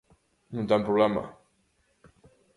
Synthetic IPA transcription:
nũnt̪ampɾuβlama̰

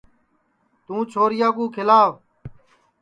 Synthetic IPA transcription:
t̪ũːt͡ʃʰoːɾɪjaːɡũːkʰɪlaːʋ

